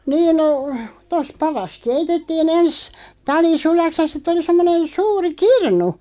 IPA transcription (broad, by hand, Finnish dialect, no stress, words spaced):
niːn no tos pɑrɑs keitetːiːn ens tɑli sulɑks jɑ sit̆ oli semːonen suːri kirnu